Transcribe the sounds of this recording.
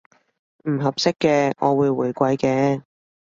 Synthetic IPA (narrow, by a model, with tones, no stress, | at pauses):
m̩˨˩ɦɐ˨p̚sɪ˥kːɛː˧ɔ̰ː˨˧wuː˨˧jwuː˨˩jkʷɐ˨˧˥jkɛː˧